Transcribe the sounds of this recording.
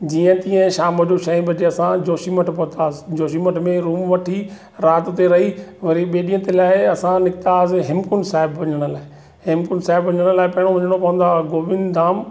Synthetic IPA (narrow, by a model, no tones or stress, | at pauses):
d͡ʑiːə̃t̪ĩːə̃ʃaːmɐd͡ʑoʃɐĩbɐd͡ʑeɐsãd͡ʑoːʃiməʈʰpɐt̪aːsd͡ʑoːʃiməʈʰmẽɾuːmʋɐʈʰi | ɾaːt̪t̪eɾɐɦiʋɐɾiɓeːɗijə̃t̪elaːɪɐsãnɪkt̪aːsɪɦɪmkʊnsaːɪbʋɐɲəɽ̃ə̆laːɪ | ɦɪmkʊnsaːɪbʋɐɲəɽ̃əlaːɪpɐɦɪɽ̃oʋɐɲəɽ̃opɐʋə̃n̆d̪aːɡoːʋɪnd̪aːm